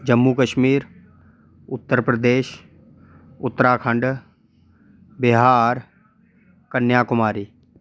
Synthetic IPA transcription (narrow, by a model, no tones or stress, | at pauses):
d͡ʒəmːukəʃmiːɾ | ʊt̪ːəɾpɾəd̪eːʃ | ʊt̪ːəɾaːkʰə̃ɳɖ | bɪɦaːɾ | kənjaːkʊmaːɾiː